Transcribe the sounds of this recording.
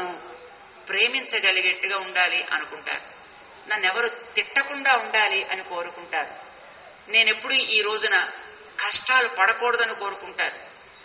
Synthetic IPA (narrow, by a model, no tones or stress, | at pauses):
anu | pɾe̞ːmiɲt͡ʃɐɡɐliɡeʈːuɡaːuɳɖaːliʔɐ̰nukuɳʈa̰ːɾu | nɐnːɛʋɐɾut̪iʈːɐkuɳɖaːuɳɖaːliʔɐniko̞ːɾukuɳʈaːɾu | ne̞ːne̞pːuɽuʔiːɾo̞ːd͡ʒunɐ | kʰɐʂʈaːlupɐɽɐpɔːɽɐd̪ɐniko̞ːɾukuɳʈaːɾu